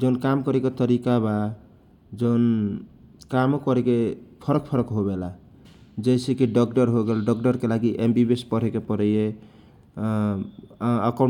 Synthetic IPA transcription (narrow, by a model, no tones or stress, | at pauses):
d͡ʒənkamkɔɾeket̪əɾikaba | d͡ʒəʊn | kamokɔɾekepʰəɾək̚pʰəɾəkɦobela | d͡ʒəjsekiɖɔkʈəɾɦoɡelɖɔkʈəɾkelaɡiʔembibespəɾ̤ekepəɾəje | akɔ